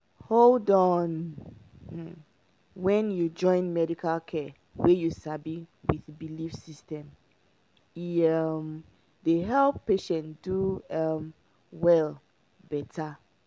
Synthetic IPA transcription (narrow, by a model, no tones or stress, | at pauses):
holdɔn̩ | wɛ̃njud͡ʒɔ̃ɪ̃nmɛɾikʰalkʰɛ | wejusabiwiðbilifsistɛ̃m | iʌm | deɦɛlˠpːeʃɛ̃ntd̥uʌm | wɛl | bɛtʰa